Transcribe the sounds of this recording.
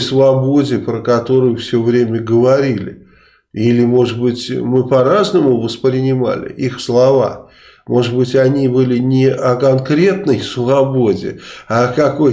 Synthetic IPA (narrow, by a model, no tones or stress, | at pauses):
svɐbo̞dʲɪpɾəkɐt̪o̞ɾʊjʊfsʲɵvɾʲemʲəɡəvɐɾʲilʲɪ̰ | ilʲɪmo̞ʐɨbɨtʲmɨpɐɾaznəmʊvəspɾʲɪnʲɪma̰lʲɪ̰ʔixslˠɐva̰ | mʔo̞ʐɨbɨtʲɐnʲibɨlʲɪnʲɪʔɐkɐnkɾʲe̞t̪nəjsvɐbo̞dʲɪ̰ɐkɐko̞j